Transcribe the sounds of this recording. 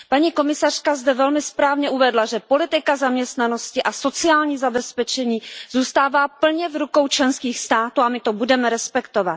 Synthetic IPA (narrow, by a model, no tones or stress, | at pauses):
paɲiːko̞mɪsar̝̥kazdɛvɛlmɪspɾaːvɲɛʔuvɛdlaʒɛpo̞lɪt̪ɪkazamɲɛst̪nano̞scɪʔaso̞t͡sɪaːlɲiːzabɛspɛt͡ʃɛɲiːzuːst̪aːvaːpl̩ɲɛvɾuko̞wt͡ʃlɛnskiːxst̪aːt̪uːamɪt̪o̞budɛmɛɾɛspɛkt̪ovat̪